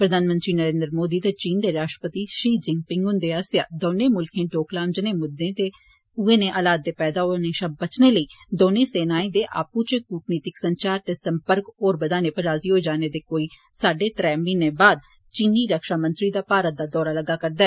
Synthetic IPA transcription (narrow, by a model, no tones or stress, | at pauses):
pɾəd̪ʱaːnmə̃nt̪ɾiːnəɾẽːnd̪ɾmoːd̪iːt̪eːt͡ʃiːnd̪eːɾaːʃʈɾəpət̪iːʃiːd͡ʒɪ̃ŋɡ̚pɪŋɡɦʊ̃nd̪eːaːsja̰ːd̪oːnẽːmʊlkʰẽːʈoːklaːmd͡ʒənẽːmʊd̪ẽːt̪eː | ʊeːnẽːʔəlaːd̪̚ːeːpɛːd̪aːɦoneːʃəb̚bət͡ʃneːləiːd̪oːnẽːseːnaːẽːd̪eːʔa̰ːput͡ʃekuːʈniːt̪ɪksəɲt͡ʃaːɾt̪eːsəmpəɾkɔːɾbəd̪aːneːpəɾaːziːɦoːed͡ʒaːneːd̪eːkoːiː | saːɖeːt̪ɾɛːmiːnẽːbaːd̪̚ | t͡ʃiːniːɾəkʃaːmə̃nt̪ɾiːd̪aːpaːɾət̪̚d̪aːd̪ɔːɾaːləɡaːkəɾd̪aːɛː